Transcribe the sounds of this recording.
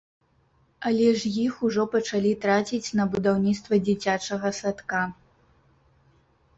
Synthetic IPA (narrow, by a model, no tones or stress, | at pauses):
ɐlʲɛʐjixuʐɔpɐt͡ʂalʲit̪ɾat͡sʲit͡sʲnɐbud̪awnʲit̪st̪vɐd͡zʲit͡sʲat͡ʂɐɣɐsat̪ka